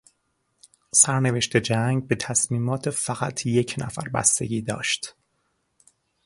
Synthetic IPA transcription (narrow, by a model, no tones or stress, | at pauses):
sæɾne̞veʃt̪ʰe̞d͡ʒæŋɡ̚be̞t̪ʰæsmiːmɒːt̪ʰefæɣæt̪ʰje̞cʰnæ̰fæ̰ɾbæ̰st̪e̞̰ɟʲiːd̪ɒ̰ːʃt̪